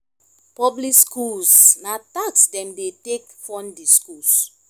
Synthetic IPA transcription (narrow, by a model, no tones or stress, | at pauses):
pɔblikskulsnataksdɛ̃mdetekfɔ̃ndiskuls